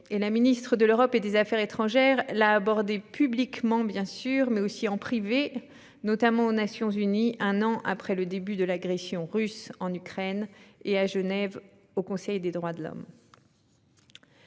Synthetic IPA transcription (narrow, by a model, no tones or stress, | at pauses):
elaminist̪χəd̪əløʁɔped̪ezafɛʁet̪χɑ̃ʒɛʁlaːbɔʁd̪epyblikmɑ̃bjɛ̃syʁmɛosiɑ̃pχive | nɔt̪amɑ̃onasjɔ̃zyniʔɛ̃nɑ̃ʔa̰pχɛləd̪ebyd̪əlaɡʁɛsjɔ̃ʁysɑ̃nykχɛneaʒənɛv | okɔ̃sɛjd̪ed̪ʁwad̪əlɔ̰m